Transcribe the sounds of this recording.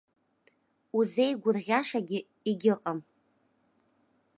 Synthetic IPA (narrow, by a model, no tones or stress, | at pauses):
uze̞jɡʷʊrʁʲaʂaɡʲɪ | iɡʲɪqʼam